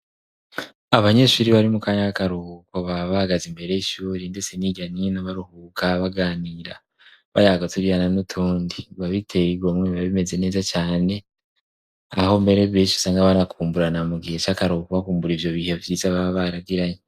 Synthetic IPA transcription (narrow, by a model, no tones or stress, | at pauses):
aβaɲe̞ʃuɾiβaɾimukaːɲaakaɾuhuko̞βaβahaɡazimbe̞ɾeiʃuːɾindet͡seniɟaninaβaɾuhuːkʰaβaɡaːniːɾa̰ | βajaɡotuɾijananutʰuːndiβaβitʰe̞ɾiɡomŋweβaβime̞ze̞ne̞ːzacaːne̞ | aho̞mbe̞ɾeββeːʃisaːŋɡaβanakʰuːmbuɾanamuɡihet͡ʃakaɾuhukoβakuːmbuɾivjo̞βiːhevjiːzaβaβaɾaɡiɾaɲe